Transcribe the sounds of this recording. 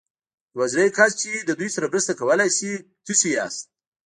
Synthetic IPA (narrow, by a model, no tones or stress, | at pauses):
wazɾajkʰast͡ʃid̪əd̪ujsaɾamɾəst̪akawəlajsit̪usija̰st̪̚